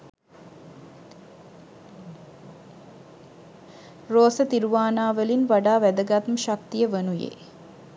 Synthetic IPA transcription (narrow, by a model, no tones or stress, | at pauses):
roːsət̪iɾuʋaːnaːʋəlinʋaɖaːʋæd̪əɡat̪məʃakt̪ijəʋənujḛː